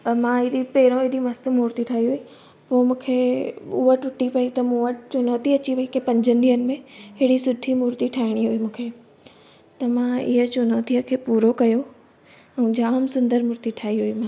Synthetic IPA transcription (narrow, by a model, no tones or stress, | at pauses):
mãɪɗipɛːɾõɪɦɗimɐst̪ʊmʊːɾt̪iʈʰaːɦiɦʊi | poːmũːkʰeʊ̰əʈʊʈipɐit̪ɐmũːət͡ɕʊnoːt̪iɐt͡ɕiʋɐikepɐ̃ɲd͡ʑʱənɪd̪iɦənɪ̆mẽɦɪɽisʊɖʱimʊɾt̪iʈʰaːɦɪɽ̃iɦʊimũːkʰeː | t̪ɐmãɪɦət͡ɕʊnoːt̪iəkʰeːpuːɾokɐjo | ɛ̃ːd͡ʑaːmsʊ̃nd̪əɾmʊːɾt̪iʈʰaːiɦʊimãː